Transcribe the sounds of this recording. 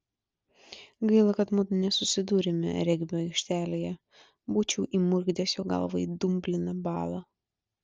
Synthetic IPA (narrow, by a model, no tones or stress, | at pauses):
ɡɐɪlˠɐkɐt̪mʊt̪nʲɛsʊsʲɪd̪uːɾʲɛmʲɛ̰ɾʲɛɡʲbʲoːɛɪkʃʲt̪ʲæːlʲeːjɛ | buːt͡ʃʲɛʊʔiːmʊɾʲɡd̪ʲeːsjoːɡɐ̰lˠʋɐid̪ʊmʲbʲlʲɪnɐbɑːlˠɐ